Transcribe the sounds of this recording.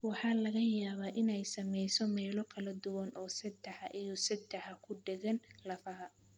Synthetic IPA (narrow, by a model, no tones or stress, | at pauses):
wɑħɑːlɐɣɐjaːβaːʔɪnɛjsɐmɛjsɔmɛːlɔkʰɐlɐd̪ʊwɐnʔɔːsɐd̪ɛħɐʔijɔsɐd̪ɐħɐkʰʊɖɛɣɐnlɐfɐɦɐ